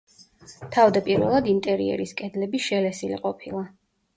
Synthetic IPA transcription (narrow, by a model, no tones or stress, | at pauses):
t̪ʰavd̪apʼiɾvɛ̰lˠad̪int̪ʼɛɾḭɛ̰ɾiskʼɛd̪lɛbiʃɛlɛsilḭqʼɔpʰilˠa